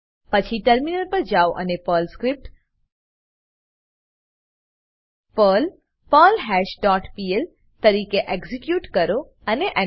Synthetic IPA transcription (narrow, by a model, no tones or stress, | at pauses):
pət͡ʃʰiʈəɾminəlpəɾd͡ʒawʔə̰nepəlskɾip̚ʈ | pəl | pəlɦɛʃɖɔʈpiel | t̪əɾikeʔeɡzikjuːʈkəɾo | əneʔə